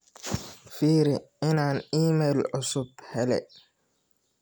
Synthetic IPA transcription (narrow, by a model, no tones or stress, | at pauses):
fiːɾiɪnaːniːmɛlʔʊsʊbhɛlɛ̰